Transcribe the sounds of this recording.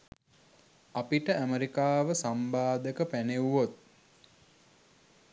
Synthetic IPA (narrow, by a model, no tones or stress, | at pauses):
apiʈəʔæməɾikaːʋəsambaːd̪əkəpæneuʋot̪̚